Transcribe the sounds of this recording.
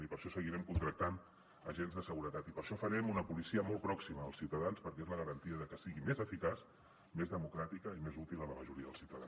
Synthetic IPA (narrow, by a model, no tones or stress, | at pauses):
nipəɾʃɔsəɣiɾɛmkunt̪ɾək̚t̪an | ə̰ʒenzðəsəɣuɾət̪at̪ipəɾʃɔfəɾɛmunəpulisiəmɔlˠpɾɔksimə̰ːlˠsiwt̪əðanspəɾkɛezləɣəɾənt̪iəðəkəsiɣimezəfikas | mezðəmukɾat̪ikəimezut̪ilˠələməʒuɾiəðəlˠsiwt̪əða